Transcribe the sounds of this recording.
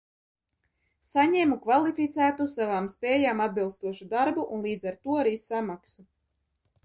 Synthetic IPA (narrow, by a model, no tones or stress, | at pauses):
saɲɛːmukvalˠifʲit̪sæːt̪usavaːmspʲɛːjaːmad̪bilˠst̪uɔʃud̪aɾbuʔunlˠiːd̪zaɾt̪uɔaɾiːsamaksu